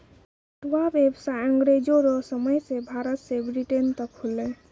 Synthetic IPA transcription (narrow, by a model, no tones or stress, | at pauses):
t̪ʋaʋebsaəŋɡɾed͡ʒoɾɔsəməjsebʱaɾət̪sebɾiʈent̪əkhule